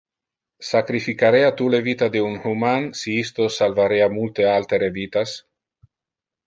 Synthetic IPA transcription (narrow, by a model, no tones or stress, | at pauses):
sakɾifikaɾeat̪ulevit̪ad̪eunhumansiist̪osalvaɾeamult̪ealt̪eɾevit̪as